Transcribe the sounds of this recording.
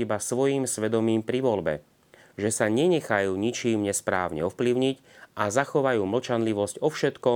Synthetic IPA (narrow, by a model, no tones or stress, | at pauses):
ibasʋɔjiːmsʋɛd̪ɔmiːmpɾiʋɔlbɛ̰ | ʒɛsaɲɛɲɛxajuːɲit͡ʃiːmɲɛspɾa̰ːʊɲɛ̰ɔfpliʊɲic | azaxɔʋajuːml̩t͡ʃanliʋɔzcɔfʃɛt̪kɔ